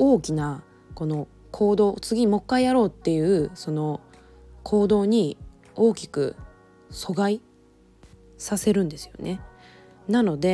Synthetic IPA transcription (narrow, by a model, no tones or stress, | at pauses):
o̞ːkʲina | ko̞no̞ | kʰo̞ːd̪o̞ːt͡sɨɡʲimo̞kːaijaɾo̞ːt̪ːe̞jɯ̟ːso̞no̞ | kʰo̞ːd̪o̞ːɲ̟i | o̞ːkʲi̥kɯ̟̰ | so̞ɡai | sase̞ɾɯ̟̃nd̪e̞sɨ̥jo̞̰ne̞ | nano̞d̪e̞